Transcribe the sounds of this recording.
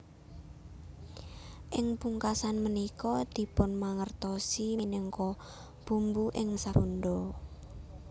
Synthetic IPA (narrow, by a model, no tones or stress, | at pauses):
ʔɪŋpuŋkasanmənikɔd̪̥i̤pʊnmaŋərt̪ɔsinɛŋkɔ | b̥ṳmbuʔɪŋməsaɾund̪ɔ